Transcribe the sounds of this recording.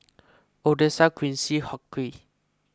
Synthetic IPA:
odesaɡwĩnsihɔki

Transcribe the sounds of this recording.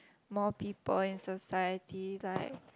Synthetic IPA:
mɔpipəlĩnsɔsajətʰilaɪk̚

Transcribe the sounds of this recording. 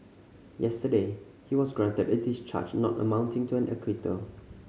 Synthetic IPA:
jɛstəde | hiwɔsɡɹãntədɛthist͡ʃʰa̰t͡ʃnɔ̰tə̰mãʊ̃ntɪ̃ŋtʰuæ̃nʔɛ̰kʰwitʰə̰

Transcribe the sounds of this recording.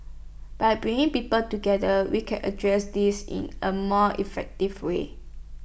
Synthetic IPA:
b̥ajbɹĩŋɪ̃ŋpipəltuɡɛdəwikʰɛ̰̃nʔə̰dɹɛsdisḭ̃nəmɔʔḭfɛk̚tivwḛ

